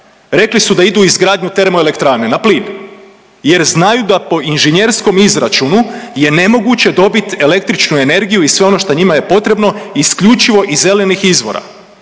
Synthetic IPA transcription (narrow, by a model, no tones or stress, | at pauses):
ɾe̞klisud̪aid̪uizɡɾaːd̪ɲut̪e̞ɾemoele̞kt̪ɾaːnenapliːn | je̞ɾznajud̪apo̞inʒeɲe̞ɾsko̞mizɾat͡ʃunuje̞ne̞mo̞ɡut͡ɕe̞d̪o̞bit̪e̞le̞k̚t̪ɾit͡ʃnue̞ne̞ɾɡijuisʋeo̞no̞ʃt̪oɲimaje̞po̞t̪ɾe̞bno̞iskʎut͡ʃiʋo̞ʔize̞le̞nixizʋo̞̰ɾa̰